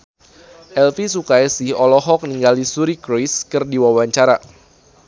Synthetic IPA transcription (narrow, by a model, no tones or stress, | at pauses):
ʔɛlfisukajsɪhɔlɔɦɔk̚niŋɡalisuɾikɾojskɨrdiwawaɲt͡ʃaɾa